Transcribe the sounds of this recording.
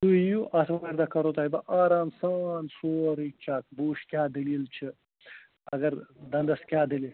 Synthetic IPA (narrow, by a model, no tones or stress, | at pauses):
t̪ujuʔɐsmɐmeːɾd̪akɐɾot̪aːjbɐʔaːɾaːnsaːnsoːɾik̚t͡ʃʰaːk̚buːʃkʲjaːd̪ililt͡ʃʰi | ɐ̰ɡɐɾd̪ɐnd̪ɐskʲjaːd̪ili